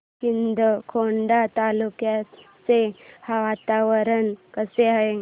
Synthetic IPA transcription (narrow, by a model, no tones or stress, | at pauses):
kind̪əkʰoɳɖat̪alukjat͡sehaʋat̪aʋəɾənkəseaɦe